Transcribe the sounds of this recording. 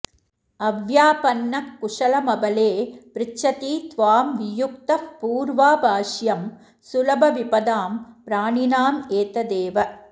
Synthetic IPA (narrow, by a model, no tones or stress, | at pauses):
ɐʋjaːpɐnːɐkːʊʂɐlɐmɐbɐleːpɾɪt͡ʃːɐt̪iːt̪ʋaːmʋɪjʊk̚t̪ɐpuːɾʋaːbʱaːʂjɐm | sʊlɐbʱɐʋipɐd̪aːmpɾaːɳinaːmeːt̪ɐd̪eːʋɐ